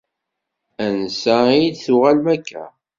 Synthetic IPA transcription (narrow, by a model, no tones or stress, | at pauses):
ænsæiid̪θʊʁælmækːæ̰